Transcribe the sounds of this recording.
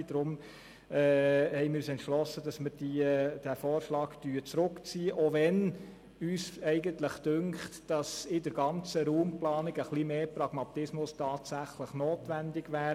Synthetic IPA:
d̥̪ɾʊm | ɛːhɛɪmɪyːsɛntʃlɔsəd̥ɑsməɾd̥id̥æfɔːɾʃlɑːɡtyːt͡sɾʊkt͡siːəʔovɛn | yːsɛɪɡəntləχd̥ʏŋkχtd̥ɑsɪdəɾɡɑnt͡səɾuːmplɑːnɪɡəχlimeːpɾɑɡ̥mɑt̪ɪsmʊstɑːtsæχləχnoːtʋændɪɡʋæː

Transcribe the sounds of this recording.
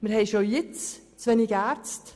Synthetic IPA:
məɾhɛɪʃojɪt͡st͡sʋɛnɪɡæːɾt͡st

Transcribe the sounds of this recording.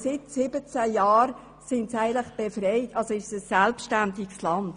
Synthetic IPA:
sɪtsɪbət͡sæjaːɾ | sɪntsæɪəntləχb̥efrɛɪtɑlsoɪʃsəsɛlpʃtæntikslɑnt

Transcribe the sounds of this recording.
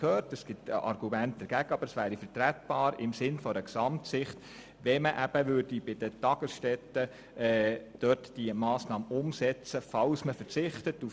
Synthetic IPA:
kʰøːrtɛsɡ̥ɪtɑ̰ɾɡ̥umænt̚d̥̪ɛɾɡ̥æɡəɑb̥əɾɛsʋæːɾifəɾtɾætb̥ɑːɾɪmsɪnfɔɾəksɑmtsɪχt̪ | ʋɛməʔæb̥əʋʏɾdibɪd̥ətɑɡ̥əsʃtɛtə | ɛd̥œtd̥imɑːsnɑːməʊmsɛt͡səfɑwsməfəɾt͡sɪχtətu

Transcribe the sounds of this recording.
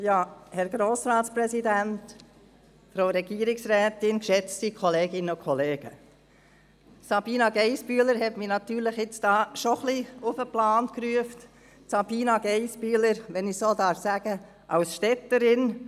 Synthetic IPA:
jɑːhɛɾɡɾoːsɾɑːtspɾɛsidænt | fɾoɾɛɡ̥iəɾɪksɾɛːt̪ɪnkʃɛt͡stikʰɔleːɡɪnəʊkʰɔleːɡ̥ə | sɑb̥iːnɑɡɛɪspyələɾhɛtminɑt̪yːɾləχɪt͡sd̥ɑːʃoχliʊfəplɑːntkɾyəft | sɑb̥iːnɑɡ̥ɛɪspyːləɾʋɛnɪsoːd̪ɑːɾfsæɡ̥ə | ʔɑʊsʃtɛtəɾɪn

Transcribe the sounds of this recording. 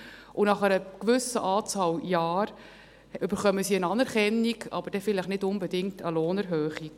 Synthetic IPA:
ʔʊnɑχəɾəkʋʏsəʔɑːt͡sɑːljaːɾ | ʏb̥əɾχœməsiənɑnɛɾkɛnːiɡɑ̰b̥əɾd̥ɛfɪləχnɪdʊnbɛdɪŋk̚təloːnɛɾɦøːχik

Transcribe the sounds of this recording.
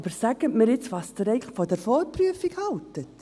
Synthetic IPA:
bəɾsæɡ̥ətmɪɾjɪt͡sʋɑsd̥əɾɛɪɡləχfɔdɛɾfɔt̚pryəfikhɑltət

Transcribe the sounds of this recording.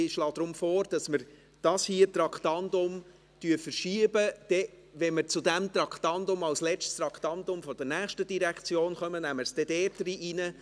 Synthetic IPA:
ɪʃlɑːd̥̪ɾʊmfɔːɾd̥ɑsməɾ | d̥ɑshiːət̪ɾɑkχtɑndʊm | tyəfəɾʃiəbəd̥ɛ | ʋɛnməɾt͡sʊdæmt̪rɑktɑndʊmɑlslɛt͡stst̪ɾɑkt̪ɑndʊmfɔd̥ɛnæːχʃtəd̥iɾækt͡sjoːnχœmənæməɾsd̥ɛdɛːdɾiʔinə

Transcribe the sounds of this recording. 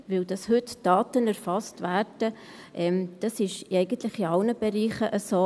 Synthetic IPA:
ʋɪld̥ɑshʏtd̥ɑːtənæɾfɑstʋæːrd̥ə | ʔɛmd̪̥ɑsɪʃɪɛɪɡ̥ənt̪lɪχiɑlnəb̥ɛɾiːχəʔəsoː

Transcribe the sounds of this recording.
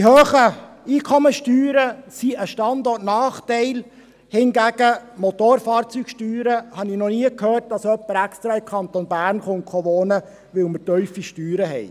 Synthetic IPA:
iɦøːχə | iːkʰɔməʃtyːɾəsiəʃtɑndɔtnɑːχtɛɪl | hɪnɡæɡ̥əmot̪oːɾfɑːɾt͡syːkʃtyːɾəhɑnɪnɔniəkʰhøːrt̚dɑsœpːəɾækst̪ɾɑɪmkʰɑnt̪onbæːrnχonkχɔʋoːnə | ʋɪlməɾtœʏfiʃtyːɾəɦɛ̰ɪ

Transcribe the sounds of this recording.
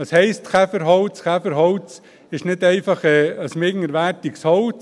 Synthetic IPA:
ɑshɛɪstχæfəɾɦɔlt͡sχæfəɾɦɔlt͡s | ɪʃnɪtɛɪfɑχɛəsmɪɡŋəɾʋæːɾtikshɔlt͡s

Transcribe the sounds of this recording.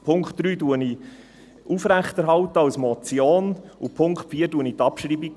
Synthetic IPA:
pʰʊŋkχt̚d̥ɾyːduəni | ʔufɾæχtɛɾɦɑwt̪əɑwsmɔt͡sjoːnupʰʊŋkχtfiːəɾduənit̪ɑpʃɾiːbik

